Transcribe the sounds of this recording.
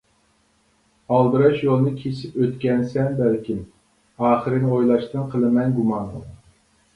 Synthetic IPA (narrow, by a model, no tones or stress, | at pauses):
ɑlˠb̪ɨɾɑʃjolˠɨnɨkʲʰesipøt̪kʲɛnsɛnbɛlkʲim | ɑːχəɾɨnojlˠɑʃt̪ɨnqʰəlˠɨmɛnɡumɑn